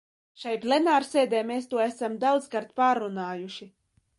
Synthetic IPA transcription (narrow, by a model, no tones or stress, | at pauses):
ʃajplʲɛnaːɾseːd̪eːmeːst̪uɔæsamd̪awd̪zkaɾt̪̚paːɾunaːjuʃi